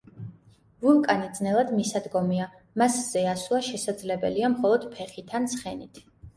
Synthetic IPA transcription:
vulˠkʼanid̪znɛlˠad̪misad̪ɡɔmia | masz̥ɛasuaʃɛsad̪zlɛbɛliamχɔlˠɔd̪̥pʰɛχit̪ʰansχɛnit̪ʰ

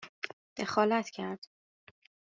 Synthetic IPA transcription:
d̪̥exɒːlæt̪ʰcʰæɾd̪̥

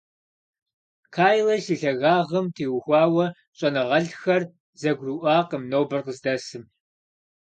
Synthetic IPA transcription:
kʰaːjlɐʃiːɬɐɣaːʁɐmtʰiːwxʷɑːwɐ | ɕʼɐnɨʁɐɮxɐr | zɐɡʷruʔʷɑːqəmnowbɨrqəzdɐsɨm

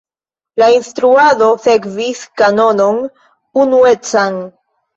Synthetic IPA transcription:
lainstɾuado̞se̞kviskano̞no̞n | unue̞t͡san

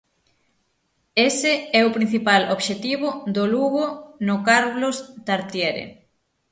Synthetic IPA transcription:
esɪɛʊpɾin̟θipaloβʃet̪iβ̞ʊd̪oluɣonʊkaɾβlost̪aɾt̪jeɾḛ

